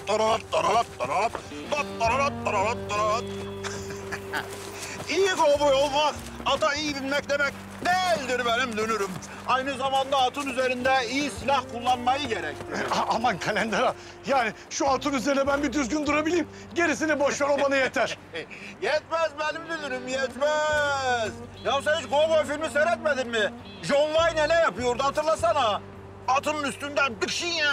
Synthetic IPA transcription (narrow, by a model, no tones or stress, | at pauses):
t̪aɾaɾat̪ːaɾaɾat̪̚d̪aɾaat̪ | d̪at̪̚t̪aɾaɾat̪̚ːaɾaɾat̪̚ːaɾaɾat̪ | ijikobujolˠmak | at̪ʰaijibilʲmɛc̚d̪emɛc̚ | d̪ɛlʲd̪iɾbɛnimd̪ønyɾym | ajnɯzamand̪aːt̪ʰɯnyzeɾind̪ɛijisilʲahkʰulˠːanmajɯɟeɾɛct̪ʰɪaamakʰalʲɛnd̪ɛɾa | jaːni | ʃuat̪ɯnyzeɾinɛbænbiɾd̪yzɟynd̪uɾabilʲiːm | ɟe̞ɾis̬inɛboʃvaɾobanajet̪ʰæɾ̥ | jɛt̪mæzbɛnimd̪ønyɾymjɛt̪mæ | z | jams̬ait͡ʃɡoɡofilʲmiseɾɛt̪med̪iɾmɪ | ʒonvajnenɛjapɯjoɾd̪uhat̪ɯɾlˠasanaː | t̪ʰɯnɯnyst̪ynd̪ænbikʰʃi